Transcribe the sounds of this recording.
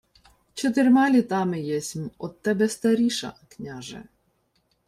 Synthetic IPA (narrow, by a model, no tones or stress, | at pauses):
t͡ʃɔt̪̬ɪrmɑlʲit̪ɑmɪjɛsʲmɔt̪t̪ːɛbɛst̪ɐɾʲiʃɐ̰knʲaʒɛ̰